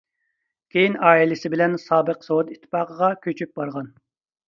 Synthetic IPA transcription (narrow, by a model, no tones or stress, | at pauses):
kʲʰejinɑːilɪsɪbɪlɛnsɑːbəqsowt̪it̪ʰːɪ̥pɑːqəʁɑkʲʰøt͡ʃʰyp̚bɑɾʁɑn